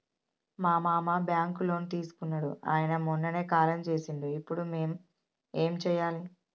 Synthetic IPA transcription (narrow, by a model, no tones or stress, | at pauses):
maːmaːmabjaːŋkulo̞ːnit̪iːsu̥kunːɐɽṵʔa̰ːjɐnɐmɔnːɐne̞ːkaːlɐmt͡ʃe̞ːsind̪iipːuɽume̞ːm | e̞ːmt͡ʃɛːjaːli